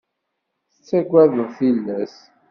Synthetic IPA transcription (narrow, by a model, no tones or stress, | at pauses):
θət͡sːæɡʷæðəʁθilːæs